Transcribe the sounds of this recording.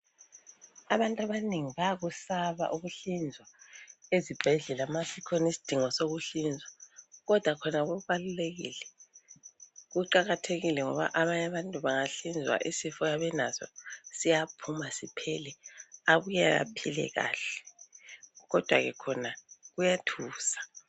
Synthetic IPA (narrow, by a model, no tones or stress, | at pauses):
aβantʼaβaniŋiβaɣusaβa̰ʔuɣuɬind͡zʱwaezib̥ʱɛɮɛlamasikʰɔnisi̥d̥ʱiŋɔsoɣuɬind͡zʱwaɣɔd̥ʱwakʰɔnaɣuβaluleɣḭlɛ | ɣuǃaɣatʰeɣilɛŋɔβa̰ʔaβaɲaβantʼuβaŋaɬind͡zʱwa̰ʔisifɔjaβɛnazɔ̰sijapʰumasipʰɛlɛaβujaja̰pʰilɛ̰ɣa̰ːɬɛ̥ | ɣɔd̥ʱwa̰ɣɛkʰɔnaɣujatʰuːsḁ